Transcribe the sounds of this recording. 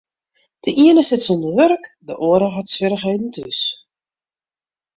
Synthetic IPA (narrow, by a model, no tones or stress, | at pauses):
d̥əʔiənəsɪtsɔndəʋørkdəʔoəɾəɦatsʋɪɾəχeːdn̩tʰys